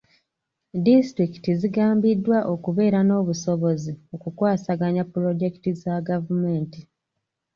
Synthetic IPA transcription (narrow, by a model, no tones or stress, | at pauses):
distɾiki̥tiziɡaːmbidːwaʔo̞kuβe̞ːɾano̞ːβuso̞βo̞zio̞kukwaːsaɡaɲapːuɾo̞ɟe̞ki̥tizaɡavumeːnti